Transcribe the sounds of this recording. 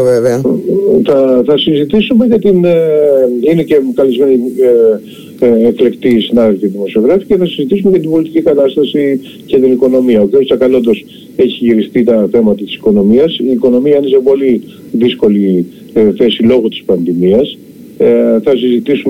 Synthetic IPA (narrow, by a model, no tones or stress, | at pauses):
veveɐθɐθɐsizit̪isume̞ʝɐt̪in | ine̞ce̞kɐlizme̞ni | fle̞kt̪isinɐðelfiðimo̞sio̞ɣɾɐfi̥ceθɐsizit̪isumeʝɐt̪imbo̞lit̪i̥cikɐt̪ɐst̪ɐsi | cet̪iniko̞no̞miɐokiosɐkɐlo̞nd̪o̞s | e̞çiʝiɾist̪it̪ɐθe̞mɐt̪ɐt̪i̥si̥ko̞no̞miɐsiːko̞no̞miɐine̞se̞po̞li | ðisko̞li | θe̞silo̞ɣot̪i̥spɐnðimiɐs | θɐsizit̪isum